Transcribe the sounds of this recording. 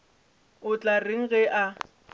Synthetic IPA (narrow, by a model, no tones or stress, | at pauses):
ʊt͡ɬʼareŋ̩ɣɛʔa